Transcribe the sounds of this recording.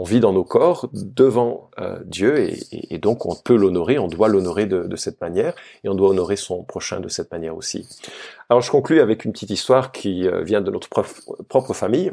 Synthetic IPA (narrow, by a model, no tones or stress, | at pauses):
ɔ̃vid̪ɑ̃nokɔʁd̪əvɑ̃ø̰d̪jøḛḛːd̪ɔ̃kɔ̰̃pølɔnɔʁeɔ̃d̪walɔnɔʁed̪əd̪əsɛt̪manjɛʁ | eɔ̃d̪waɔnɔʁesɔ̃pχɔʃɛ̰̃d̪əsɛt̪manjɛʁosḭalɔʁʒəkɔ̃klyavɛkynpə̥t̪it̪ist̪waʁkʲʰiø̰vjɛ̃d̪ənɔt̪χə̥pɔpχɔpχəfamij